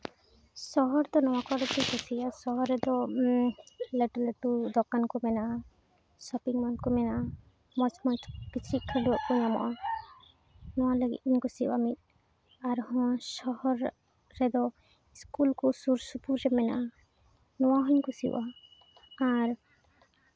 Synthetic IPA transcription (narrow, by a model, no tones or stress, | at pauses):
sɔɦɔɾd̪ɔnɔwakɔɾɛt̪ikɔsijasɔɦɔɾɛd̪ɔ | leʈulɛʈud̪ɔkankɔmɛnaʔa | sɔpiŋmɔnkɔmɛnaa | mɔt͡ʃʰmɔt͡ʃkit͡ʃʰɾiʔkʰːaluʔkɔɲamɔ̰ʔa | nɔwaləɡḭt̪̚iɲkɔsiwa̰mit̪̚ | aɾhɔ̃sɔɦɔɾː | ɛd̪ɔ | iskulkɔsuɾsupuɾːɛmɛna̰ʔ | nɔwaɦɔɲkusḭwʔaː | ɾ